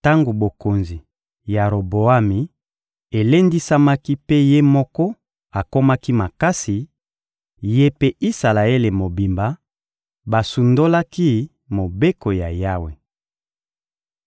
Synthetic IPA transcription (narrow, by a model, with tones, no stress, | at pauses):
ta˦ŋɡo˨bo˨ko˨nzi˨ | ja˨ɾo˨bo˨a˦mi˨ | e˨le˦ndi˦sa˦ma˦ki˦pe˦je˦mɔ˦kɔ˦ | a˨ko˦ma˦ki˦ma˨ka˦si˨ | je˦pe˦ʔi˦sa˨la˨e˦le˨mo˨bi˨mba˦ | ba˨su˨ndo˦la˦ki˦ | mo˨be˦ko˨ja˨ja˦we˨